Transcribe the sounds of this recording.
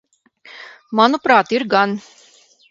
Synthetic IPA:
mɑnupɾɑt̪iɾɡan

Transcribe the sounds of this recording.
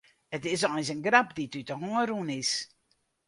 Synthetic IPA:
ətɪs̬ɔnsənɡɾapditytəɦɔːɾunɪs

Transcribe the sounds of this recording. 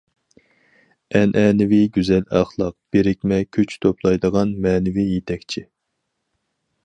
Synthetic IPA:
ɛnʔɛnɪviɡʲyzɛlɑχlˠɑq̚b̥eɾɪk̚ʲmɛkʲʰyt͡ʃt̪ʰoplˠɑjd̪əʁɑnmɛːnɪvijet̪ʰɛkʲt͡ʃʰi

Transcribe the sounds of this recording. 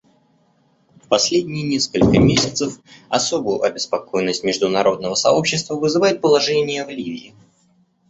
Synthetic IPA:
fpɐsʲlʲedʲnʲɪjnʲeskəlʲkəmʲesʲɪt̪səfɐso̞bʊjʊʔɐbʲɪspɐko̞jɪnːəsʲtʲmʲɪʐd̪ʊnɐɾo̞d̪nəvəsɐo̞pɕːɪst̪vəvɨzɨvajɪt̪̚pəlˠɐʐenʲɪjəvlʲivʲɪ̰ɪ

